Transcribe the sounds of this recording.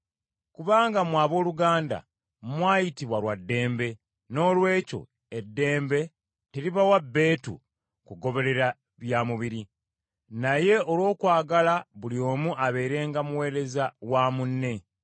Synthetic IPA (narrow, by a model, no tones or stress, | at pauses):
kuβaːŋɡamwaːβo̞ːluɡaːnda̰ | mwaːjitiβwalwadːe̞ːmbe̞ | no̞ːlwe̞ːco̞̰ | edːe̞ːmbe̞ | teɾiβawabːe̞ːtṵ | kuɡo̞βe̞le̞ɾa | βjaːmuβiɾi | naje̞o̞lwo̞ːkwaːɡalaβulio̞ːmuʔaβe̞ːɾe̞ːŋɡamuwe̞ːɾe̞zawamunːe̞